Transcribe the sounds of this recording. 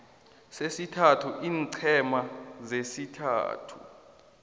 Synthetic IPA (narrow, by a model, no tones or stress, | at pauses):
sesitʰatʰuʔiːnǀʰɛmazesitʰa̰ːtʰṵ